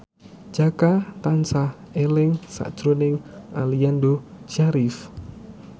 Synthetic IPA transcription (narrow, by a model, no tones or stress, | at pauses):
d͡ʒ̥akat̪ansah | elɪŋsa̰ʔd̥ʒ̥ɾonɪŋaliandod͡ʒaɾif